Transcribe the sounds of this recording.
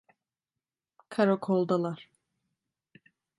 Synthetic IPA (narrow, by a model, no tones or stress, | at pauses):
kʰaɾokʰolˠd̪alˠaɾ̥